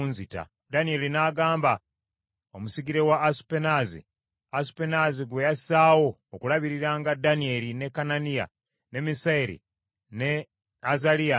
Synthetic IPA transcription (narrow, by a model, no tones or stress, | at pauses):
unzita̰ | danie̞linaːɡaːmba | o̞musiɡiɾe̞waːsu̥penazḭ | asu̥penaziɡwejasaːwo̞ːkulaβiɾiɾaŋɡadanie̞line̞kananija̰ | ne̞misaiɾḭ | ne | azalija